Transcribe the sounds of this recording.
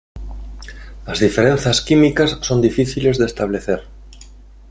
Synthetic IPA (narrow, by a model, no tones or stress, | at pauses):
azðifeɾen̟θaskimikasːond̪ifiθilezðest̪aβ̞leθeɾ